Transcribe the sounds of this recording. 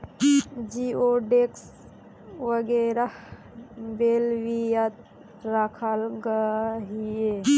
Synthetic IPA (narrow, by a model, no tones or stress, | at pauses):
d͡ʒioɖeks | ʋəɡɛɾah | belwijat̪̚ | ɾakʰalɡəɦie